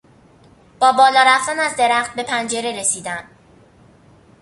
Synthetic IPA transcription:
b̥ɒːbɒːlɒːɾæft̪ænæzd̪e̞ɾæχt̪̚be̞pʰænd͡ʒe̞ɾe̞ɾe̞siːd̪æn

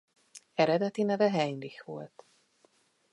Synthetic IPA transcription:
ɛɾɛd̪ɛt̪inɛvɛɦɛɲlixʋo̰lt̪

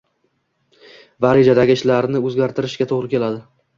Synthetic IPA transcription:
vaɾid͡ʒad̪aɡʲɪʃlaɾnɪɵzɡʲaɾt̪ʰɪɾɪʃɡʲat̪ʰoʁɾɪkʲʰe̞lad̪ɪ

